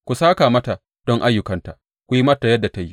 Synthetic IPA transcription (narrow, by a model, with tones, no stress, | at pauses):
kʷu˨saː˦kaː˨mɐ˦ta˨ | d̥ɔ˦ŋʔa˦jːʊ˨kɐ˨nta˨ | kʷu˦ji˦mɐ˦tːa˨jɐ˦dːa˨ta˦ji˦